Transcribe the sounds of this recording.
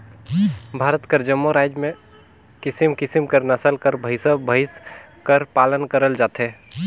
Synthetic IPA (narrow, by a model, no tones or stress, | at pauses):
bʱaːɾət̪kəɾd͡ʒəmːoɾaːd͡ʒmẽ | kɪsimkɪsimkəɾnəsəlkəɾbʱəɪsəbʱəɪs | kəɾpaːlənkəɾəld͡ʒaːt̪ɦe